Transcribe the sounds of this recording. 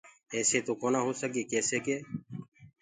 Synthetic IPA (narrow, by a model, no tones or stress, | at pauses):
ɛːseːt̪oːkoːnãːɦoːsəkeːkeːseːkeː